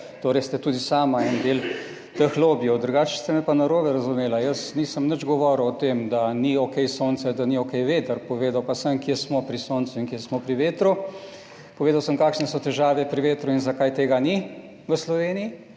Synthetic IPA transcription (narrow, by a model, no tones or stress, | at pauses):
t̪oːɾɛjst̪ɛt̪uːd̪isaːmaɛnd̪eːl | t̪əxloːbjɔd̪ɾuɡaːt͡ʃɛ̥st̪ɛmɛpanɐɾoːbɛɾɐzumeːlajəsniːsəmnəd͡ʒɡɔʋɔɾəwɔt̪eːmd̪aniokɛjsoːnsɛd̪aniokɛjʋeːt̪əɾpɔʋeːd̪awpasəmkjesmɔpɾisoːnt̪suinkjeɛsmɔpɾiʋeːt̪ɾu | poɔʋeːd̪awsəmkaːkʃnɛsɔt̪ɛʒaːʋɛpɾiʋeːt̪ɾuinzakajt̪eːɡani | ʋəslɔʋeːniji